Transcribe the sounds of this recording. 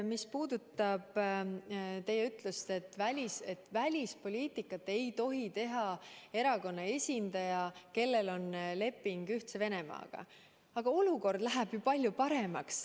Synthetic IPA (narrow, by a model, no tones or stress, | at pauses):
mispuːd̪ut̪ːˑɑb̥ | t̪e̞jːeyt̪ˑlust̪e̞t̪ːˑvælʲise̞t̪ːvælʲispo̞liːt̪ˑikːˑɑt̪ːˑe̞jt̪o̞ɦit̪e̞ɦɑe̞ɾɑko̞nːɑe̞sʲind̪̥ɑjɑke̞lːe̞lo̞nle̞pːˑiŋɡ̥yht̪se̞ve̞ne̞mɑ̰ːɡ̥ɑ̰ | ɑɡ̥ɑo̞luko̞rd̪̥læɦæb̥jupɑlʲjupɑɾe̞mɑks